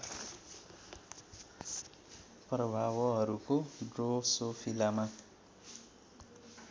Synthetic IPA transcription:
prʌbʱawʌɦʌɾukoɖrosopʰilama

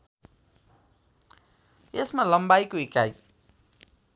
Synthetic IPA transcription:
esmalʌmbajkoikaj

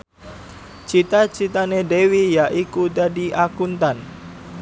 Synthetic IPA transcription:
t͡ʃit̪at͡ʃit̪anedewijaʔikud͡ʒadiʔakunt̪an

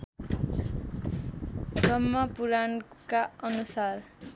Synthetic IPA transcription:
rʌmːʌpuɾankaʌnusar

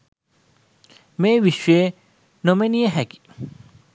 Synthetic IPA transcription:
meːʋiʃe | nomeniəɦɛki̥

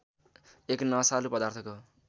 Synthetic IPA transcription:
eknʌsalupʌd̪art̪ʰʌko

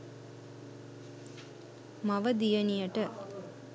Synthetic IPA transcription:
mɐʋəd̪ijənijɐʈə

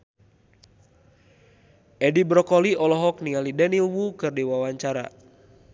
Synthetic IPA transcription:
ʔɛdibɾɔkɔliɔlɔɦɔk̚niŋalidɛnilwukɨrdiwawaɲt͡ʃaɾa̰

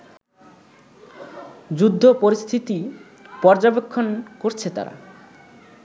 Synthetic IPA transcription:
d͡ʑud̪ʱːopoɾist̪ʰit̪i | pɔɾd͡ʑabekʰːonkoɾt͡ɕʰet̪a̰ɾa̰

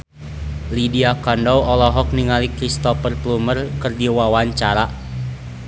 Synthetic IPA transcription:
lidiakɔndɔɔlɔɦɔk̚niŋalikɾist̪ɔfərplumərkɨrdiwawaɲt͡ʃaɾa

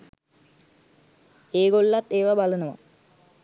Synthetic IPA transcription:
eːɡoɭːɐt̪eːʋɐbɐlunɐʋɐ̰

